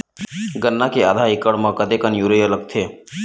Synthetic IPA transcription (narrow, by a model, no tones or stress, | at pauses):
ɡənːakead̪ʱaɪkəɽmãkəd̪ekənjuɾejoləɡ̚t̪ʰeː